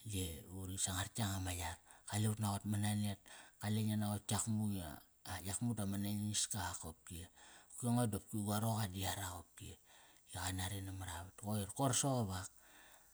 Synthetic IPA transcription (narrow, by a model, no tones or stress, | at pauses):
jeuɾisaŋaɾtiaŋamajarkaleutnaɣotmananet̚kaleɲanaɣotiakmuja̰ | jakmutamanaɲiskaakop̚kieukeŋodop̚kiɡaɾokadiaɾakop̚kiejakanaɾenamaɾaβatkoiɾkoɾsoɣoβak̚